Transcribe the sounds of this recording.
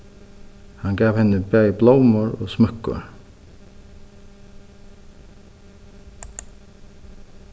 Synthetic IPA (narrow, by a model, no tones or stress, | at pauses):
hanɡaːvhɛnːɪbɛjbloːwmʊɹɔ̰ɣsmœkːʊ̰ɹ